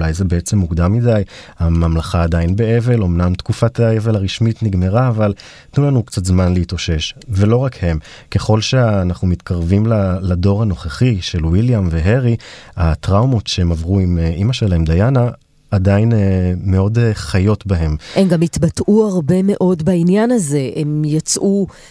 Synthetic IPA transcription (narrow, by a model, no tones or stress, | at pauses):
lajzebeet͡se̞mːuɡd̪amːidajhamamlaχaːdainbe̞eve̞lo̞mnamt̪kufataevelaʁiʃmitniɡme̞ʁaːval | tnulanukt͡satzmanleito̞ʃeʃve̞lo̞ʁakhe̞m | ke̞χo̞lʃe̞ːnaχnumit̪kʰaʁvimlalado̞ʁhano̞χeχiʃe̞lwiljamveɦeʁiat̪ʁawmo̞tʃeemavʁuimeʔimaʃelaemd̪ajanaː | dainme̞o̞deχajo̞tbaɦe̞memɡamitbatʔuaʁbe̞me̞ʔo̞dbainjanaze̞ʔemjat͡sʔu